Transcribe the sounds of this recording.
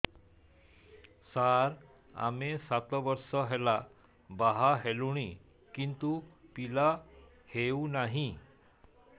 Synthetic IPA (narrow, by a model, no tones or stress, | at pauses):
saɾ | a̰mesat̪ʋəɾsəɦɛla | baɦaɦeluɽ̃i | kint̪upila | heunaɦĩ